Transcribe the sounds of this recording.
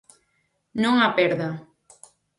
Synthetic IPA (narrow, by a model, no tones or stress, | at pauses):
nõŋapeɾða